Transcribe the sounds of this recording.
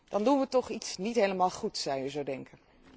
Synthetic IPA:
d̥ɑndunʋətɔχitsnitɦejləmaːlˠχutsɑwjəzowdɛŋkən

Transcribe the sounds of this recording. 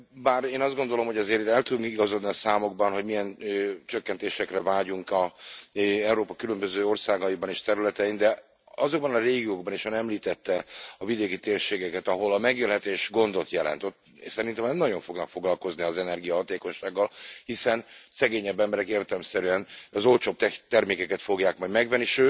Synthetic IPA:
baːɾeːnɒzd̪ɡo̞nd̪o̞lo̞mɦo̞ɟɛzeːɾɛlt̪ud̪uŋkiɡɒzod̪niɒsaːmo̞ɡ̚bɒnɦoɟmijɛnøt͡ʃøkːɛnt̪eːʃɛkrɛvaːɟuŋkɒ | ɛuɾoːpɒkylømbøzøːo̞rsaːɡɒjibɒneːʃt̪ɛɾylɛt̪ɛind̪ɛ | ɒzo̞ɡ̚bɒnɒreːɡioɡ̚bɒniʃɒnɛmliːt̪ɛt̪ːɛɒvid̪eːkit̪eːrʃeːɡɛkɛt̪ɒɦo̞lɒmɛɡjelɦɛt̪eːʃɡo̞nd̪o̞t̪jɛlɛ̰nt̪o̞t̪ | sɛɾint̪ɛmnɛmnɒɟo̞ɱfo̞ɡnɒkfo̞ɡlɒlko̞zniɒzɛnɛrɡijɒɦɒt̪eːko̞ɲʃaːɡːɒlhisɛnsɛɡeːɲɛbːɛmbɛɾɛkeːrt̪ɛlɛmsɛɾyɛnɒzo̞lt͡ʃoːb̚t̪ɛt̪ɛrmeːkɛkɛt̪fo̞ɡjaːkmɒjd̪mɛɡʋɛnːiʃøː

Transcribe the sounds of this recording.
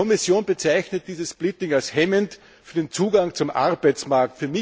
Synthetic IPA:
ɔmɪsjoːnbət͡sæɪçnət̚d̥iːzəsplɪtɪŋalshɛmənt | fyːɐdent͡suːɡaŋt͡sʊmʔa̰ʁbæɪt͡smaɐk̚tfyːɐmɪ

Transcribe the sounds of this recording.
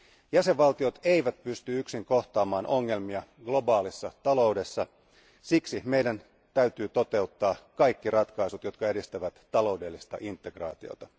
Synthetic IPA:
jæse̞ʋʋɑlt̪io̞t̪e̞iʋæt̪pyst̪yyksiŋko̞ht̪ɑːmɑːnʔo̞ŋːe̞lmiɑɡ̥lo̞bɑːlisːɑt̪ɑlo̞uwde̞sːɑ | siksime̞jdæn | t̪æyt̪yːt̪o̞t̪e̞ut̪ːɑːkɑjkːirɑt̪kɑisut̪jo̞t̪kɑeɾist̪æʋæt̪ːɑlo̞ude̞lːist̪ɑ̰ʔint̪ːe̞ɡ̥rɑ̰ːt̪io̰t̪ɑ

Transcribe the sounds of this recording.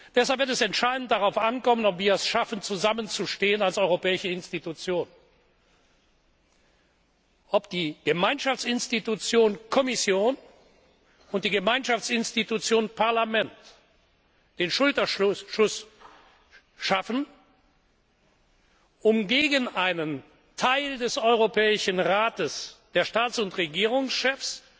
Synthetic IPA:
d̥ɛshalpv̥ɪɐtɛsɛntʃaɪdn̩t̚d̥aʁaʊfʔankɔmənɔpv̥iːɐɛsʃafən̩t͡suzamənt͡suʃteːənalsɔʏʁopɛːɪʃəɪnstitut͡sjoːn | ʔɔpd̥iːɡ̥əmaɪnʃaft͡sɪnstitut͡sjoːnkʰɔmɪsjoːn | ʊnt̚d̥iːɡəmaɪnʃaft͡sɪnstitut͡sjoːnpaɐlamɛnt | d̥eːnʃʊltɐʃʊs | ʃafn | ʔʊmɡeːɡənʔaɪnən | tʰaɪldɛsɔʏʁopʰɛːɪʃən̩ʁaːtəsd̥eːɐʃtaːt͡sʊntʁeɡiːʁ̞ʊŋsʃɛfs

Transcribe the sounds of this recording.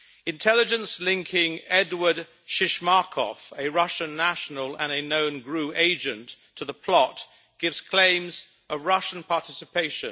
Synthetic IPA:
ɨ̃ntʰɛlˠɨd͡ʒɨ̃nslɪ̃ŋkʰɪ̃ŋɛdwə˞d | ʃɪʃmɑkʰɔ̰fɨɹʌʃɨ̃nːæʃn̩əl̩ˠə̃nɨnõʊ̃nɡɹʉeɪd͡ʒɨ̃ntʰəðəpʰl̥ɔt̚ | ɡ̥ɪvz̥kʰl̥ẽɪ̃mz | ʔəvɹʌʃn̩pʰɑɹtʰɪsɨpʰeɪʃɨ̃n

